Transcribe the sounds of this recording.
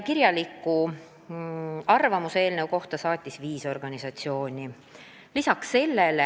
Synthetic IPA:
kiɾjɑlikːˑu | ɑrvɑmuseeːlne̞wko̞ht̪ɑsɑːt̪ʲːˑisviːso̞rɡ̥ɑnʲisɑt̪sio̞ːnʲi | lisɑksːe̞lːele

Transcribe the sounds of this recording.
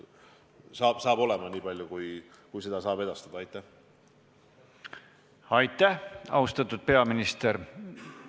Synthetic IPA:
sɑːb̥sɑːbo̞lɛmɑniːpɑlʲjukuj | kujse̞d̪̥ɑsɑːbe̞d̪̥ɑst̪ɑd̪ɑɑjt̪ˑːæh | ɑjt̪ːˑæhɑ̰ust̪ɑt̪ːˑud̪̥̚pe̞ɑminist̪eɾ

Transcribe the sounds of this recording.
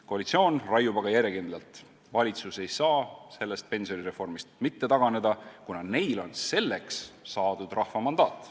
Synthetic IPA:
ko̞ɑlit̪sio̞ːnrɑjubɑɡ̥ɑjæɾjekind̪lɑlt̪ | vɑlʲit̪suse̞jsɑːse̞lːe̞st̪̚pe̞nsio̞niɾe̞fo̞rmist̪mit̪ːe̞t̪ɑɡ̥ɑne̞d̪ɑkunɑne̞jlo̞nse̞lːe̞ksːɑːd̪̥ud̪̥rɑhfvɑmɑnd̪ɑːt̪ːˑ

